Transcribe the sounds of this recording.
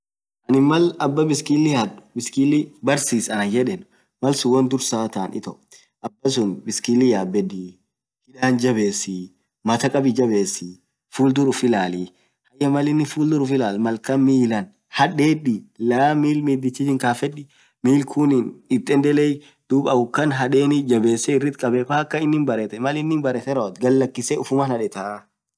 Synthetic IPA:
ʔɐnɪmɐlɐbːɐbɪskɪlːɪjɐdbɪskʼɪlːɪbɐɾsiːsɐnɐd͡ʒɛᶑɛn | mɐlsʊwɐnd̪ʊɾsaːt̪aːnʔɪ̰t̪ɐʔ | ʔɐbːɐs̬ʊnbɪskilːɪjaːbɛd̪i | hɪᶑaːnd͡ʒɐbe̞ːsɪ | mɐt̪ɐkʼɐbɪd͡ʒɐbe̞ːsɪ | fuːld̪ʊɾʊfɪlaːli | hɐjɐmɐlɪnːɪfuːld̪ʊɾʊfɪlaːlmɐlkɐmiːlɐn | hɐᶑeːᶑilamiːlmiːd̪ɪt͡ʃːɪd͡ʒɪŋkaːfɛᶑɪ | miːlkʰʊnɪnɪt̪ʼːɛnd̪ɛleːj | d̪̥uːbɐʊkːɐnɦɐᶑeːnɪd͡ʒɐbe̞ːsːɛɪrːɪt̪kʼɐbɛfɐɐkːɐɪnːɪnbɐɾet̪ɛmɐlɪnːɪnbɐɾɛt̪ɛɾɐt̪ɡɐlːɐkːɪsɛʊfʊmanɐᶑɛt̪ɐ

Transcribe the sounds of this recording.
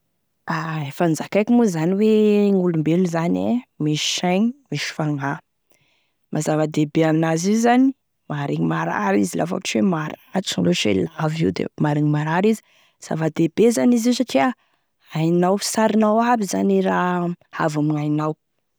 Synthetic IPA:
aefand͡zakajkʲimuzaniweŋulumbeluzanḛmiʃi̥ʃajŋimiʃi̥faŋa | mazavad̪ebeanazizani | maɾiŋimaɾa̰ɾizila̰fa̰ki̥t͡ʃwemaɾat͡ʃunloʃḛlavḭwd̪ḛmaɾiŋimaɾaɾizi̥ | z̥a̰vad̪ebezaniziʃaʈ͡ʂea | ajnawfi̥saɾinawabizaniɾaha̰vamiajnaw

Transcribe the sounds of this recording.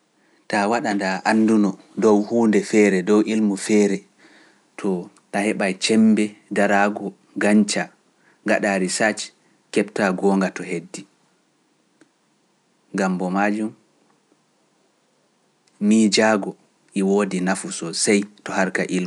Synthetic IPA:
tawaɗandaʔanːdunɔ | dɔwhuːndɛfɛːɾɛdɔwʔilmufɛːɾɛ | tʰɔ | tahɛɓajt͡ʃɛmbɛdaɾaɡɔ | ɡaɲt͡ʃa | ŋɡaɗaːɾisat͡ʃ | kɛptaɡɔːŋɡatɔɦedːi | ɡambɔmad͡ʒum | miːd͡ʒaɡɔ | ʔiwoːdinafusɔsajtɔhaɾkaʔilmu

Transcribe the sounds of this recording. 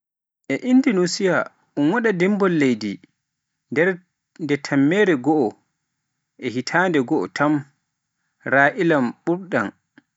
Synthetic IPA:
ʔɛʔinːdinusija | ʔunwaɗadimbɔlːejdi | ndɛɾ | ndɛtʰamːɛːɾɛɡɔʔɔ | ʔɛhitʰandɛɡɔʔɔ̰tʰam | ɾaːʔilamɓuɾɗa̰n

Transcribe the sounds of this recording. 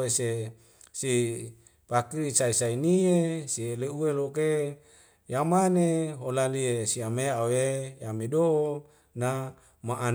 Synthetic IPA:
ese | si | pakiɾisaisainiesieleueloke | jamaneɦolaliesiameawejamedoo | na | maʔan

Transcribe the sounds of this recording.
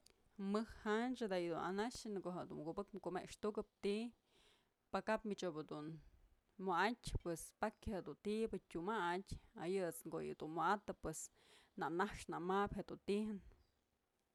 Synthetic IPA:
mɨhhant͡ʃɨd̪ajɨd̪una̰naʂɨnkoɦeʔd̪ṵnmɡubɨkmkumeʔkʂt̪ukɨp̚t̪i | pakapmit͡ʃobɨd̪un | moʔatʲpwespakʲheʔd̪unt̪ibɨtʲumatʲajɨɨt͡sŋɡojɨ̰d̪unmoat̪ɨpwes | naʔnaʂnaʔmapheʔd̪unt̪ihɨn

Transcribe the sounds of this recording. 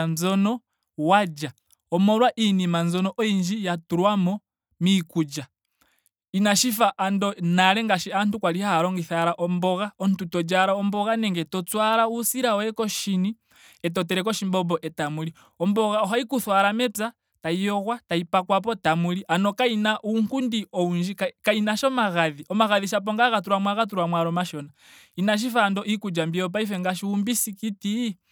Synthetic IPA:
nzɔnɔ | wad͡ʒa | ɔmɔlwaʔinimanzɔnɔʔɔind͡ʒijatuɾwamɔ | mikud͡ʒa | inaʃifaʔandɔnaɾɛŋɡaʃiantukwalihahaɾɔŋɡiθaɾaʔɔmbɔɣaɔntutɔd͡ʒaɾaɔmbɔɣanɛŋɡɛtɔt͡swaɾausiɾaɔɛkɔʃini | ɛt̬ɔtɛɾɛkɔʃimbɔbɔʔɛtamuli | ɔmbɔɣaɔɦaikuθwaɾamɛpa | taijɔɣwataipakwap̬ɔtamuliʔanɔkainaʔuŋkundiɔund͡ʒiakainaʃɔmaɣaðiɔmaɣaðiʃap̬ɔŋɡaɣat̬uɾwamwaɣatuɾwamwaɾɔmaʃɔna | inaʃ̬ifandɔʔikud͡ʒambiɔp̬aifɛŋɡaʃiumbisikiti

